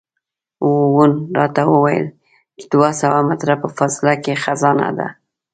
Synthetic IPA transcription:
wowunɾɑt̪awəwajə̰l | t͡ʃɪd̪wasawamat̪ɾapəfasɪlakexazɑna̰d̪a̰

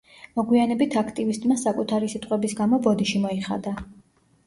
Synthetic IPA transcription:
mɔɡwianɛbit̪ʰakʰt̪ʼivist̪ʼmasakʼut̪ʰaɾisit̪ʼqʼwɛbisɡamɔbɔd̪iʃimɔiχa̰d̪a

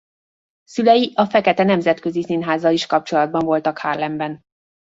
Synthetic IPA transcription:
sylɛjiʔɒfɛkɛt̪ɛnɛmzɛt̪kø̞zisinɦaːzɒliʃkɒp̚t͡ʃo̞lɒd̪̚bɒɱvo̞lt̪ɒkhaːrlɛmbɛn

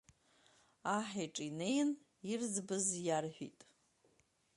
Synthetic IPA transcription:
aħiʈ͡ʂʼine̞jn | irzbɨzjarħʷᶣḭtʼ

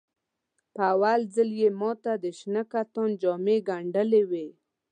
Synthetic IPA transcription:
pəawalzəljemɔt̪ad̪əʃnakat̪ɔnd͡ʒɔmeɡaɳɖəlewe

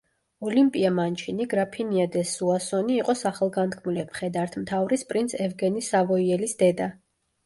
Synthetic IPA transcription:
ɔlimpʼiamant͡ʃʰiniɡɾapʰiniad̪ɛsuasɔniːqʼɔsaχɛlˠɡant̪kʰmulɛmχɛd̪aɾt̪ʰmt̪ʰavɾispʼɾinsʰɛvɡɛnisavɔiɛlisd̪ɛd̪a

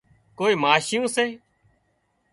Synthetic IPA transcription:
koːiːmaːʃɪjõːseː

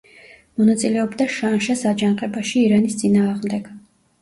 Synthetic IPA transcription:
mɔnat̪sʼilɛɔbd̪aʃanʃasad͡ʒanqʼɛbaʃiːɾanist̪sʼinaːʁmd̪ɛɡ̥

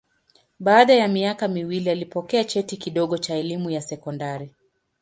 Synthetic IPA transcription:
ɓaːɗajamiakamiwilialipɔkɛat͡ʃɛtikiɗɔɠɔt͡ʃaɛlimujasɛkɔndaɾi

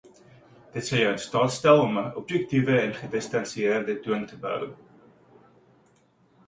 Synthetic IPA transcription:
d̥ətsəwjœtstɑːtstælˠɔməʔɔp̚jɛk̚tivəɛnχədəstɐnsiiərdətuəntəbə̰w

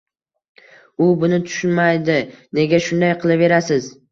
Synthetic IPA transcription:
ʊbʊnɪt̪ʰʊ̥ʃʊnmajd̪ɪne̞ɡʲaʃʊnd̪ajqʰɨlˠɪve̞ɾasɪz

